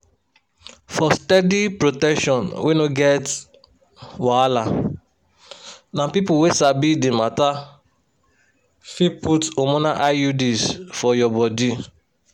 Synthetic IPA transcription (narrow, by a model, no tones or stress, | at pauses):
fɔstɛdipɹotɛkʃɔ̃nwʔenoɡɛt | wala | nãpipuwesabidimata | fiputomõnaʔajudisfɔjɔbɔdi